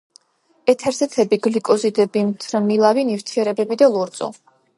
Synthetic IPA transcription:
ɛt̪ʰɛɾsɛt̪ʰɛbiɡlikʼɔzid̪ɛbimt̪ʰɾmilˠavinivɾt̪ʰiɛɾɛbɛbid̪alˠɔɾt̪sʼɔ̰

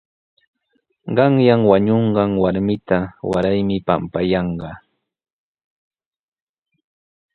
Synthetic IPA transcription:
ɢɑŋjaŋwaɲoɴɢɑŋwaɾmɪt̪awa̰ɾajmɪpa̰mpajɑɴɢɑ

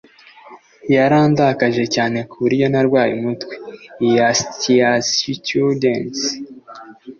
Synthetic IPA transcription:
jaɾaːndakaʒe̞caːne̞kuɾijo̞naɾɡwaːjimutwe̥jastiasitudens

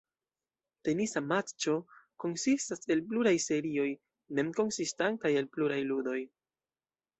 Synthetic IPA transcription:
te̞nisamat͡ʃo̞ko̞nsistase̞lpluɾajse̞ɾio̞j | me̞mko̞nsistantaje̞lpluɾajludo̞j

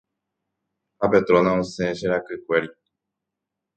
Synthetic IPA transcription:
hapet̪ɾonãõsẽʃeɾakɨkʷeɾi

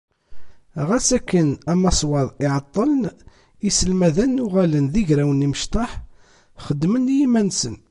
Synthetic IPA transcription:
ʁæsækːənæmɑsˤwɑðˤɪʕɑt̪ˤːələn | isəlmæðænːʊʁælənðiʝɾæwəniməʃt̪ˤɑħ | χəd̪ːmənːjimænsən

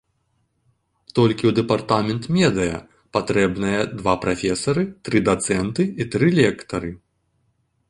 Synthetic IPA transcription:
t̪ɔlʲkʲiwd̪ɛpart̪amʲɛnt̪mʲɛd̪ɨjɐ̰ | pat̪ɾɛbnɐjɐd̪vapɾafʲɛsɐɾɨt̪ɾɨd̪at̪sɛnt̪ɨit̪ɾɨlʲɛkt̪ɐɾɨ

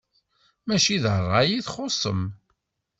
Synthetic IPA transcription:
mæʃiðərˤːɑjiθχosˤə̰m

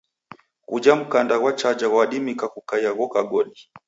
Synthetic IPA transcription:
kud͡ʒam̩kandaɣwat͡ʃad͡ʒaɣwaɗimikakukajaɣɔkaɡɔɗi

